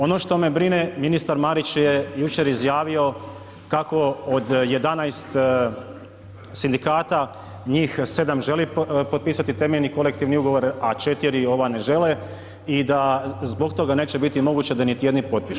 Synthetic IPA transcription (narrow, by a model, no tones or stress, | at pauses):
o̞no̞ʃt̪o̞me̞bɾineminist̪aɾmaɾit͡ɕjejut͡ʃe̞ɾizjaːʋio̞ | kako̞od̪je̞d̪anajst̪ | sind̪ikaːt̪a | ɲiːxse̞d̪amʒe̞lipot̪̚piːsat̪it̪e̞meʎniko̞le̞kt̪iʋniuɡo̞ʋo̞ɾat͡ʃe̞t̪iɾio̞ʋane̞ʒe̞le | id̪azbo̞kt̪o̞ɡane̞ːt͡ɕe̞bit̪imo̞ɡuːt͡ɕed̪anit̪ijed̪nipo̞t̪̚piʃ